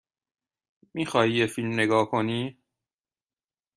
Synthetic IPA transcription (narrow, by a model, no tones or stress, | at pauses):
miːxɒːhiːjefilmne̞ɡɒːkʰoniː